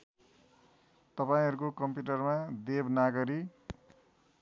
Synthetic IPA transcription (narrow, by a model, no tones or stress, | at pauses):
t̪ʌpaĩɦʌɾukokʌmpjuʈʌrmad̪ebnaɡʌɾi